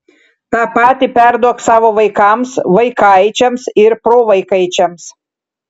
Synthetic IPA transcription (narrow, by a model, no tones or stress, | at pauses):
t̪ɑːpɑːt̪ʲipʲæɾd̪uɔksɑːʋoːʋɐɪkɐˑmsʋɐɪkɑɪt͡ʃʲɛmsɪɾpɾoːʋɐɪkɐɪt͡ʃʲɛms